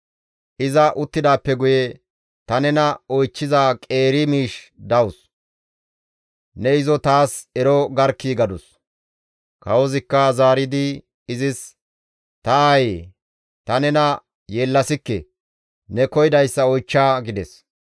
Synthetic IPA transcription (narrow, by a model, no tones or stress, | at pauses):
ʔɪzɐʔʊt̪ːɪd̪aːpːɛɡʊjɛ | t̪ɐnɛnɐɔjt͡ʃːɪzaːkʼe̞ːɾɪmiːʃd̪ɐwʊs | nɛɪzɔt̪aːsɛɾɔɡɐɾkːiːɡɐd̪ʊs | kɐwɔzɪkːɐzaːɾɪd̪ɪː | zɪs | t̪ɐaje | t̪ɐnɛnɐ | jeːlːɐsɪkːɛ | nɛkɔjɪd̪ɐjsːɐɔjt͡ʃːaːɡɪd̪ɛs